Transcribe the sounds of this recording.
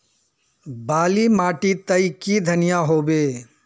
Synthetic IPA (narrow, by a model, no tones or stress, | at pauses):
baːlimaːʈit̪ɐikid̪ʱɐnɪjaɦoːbeː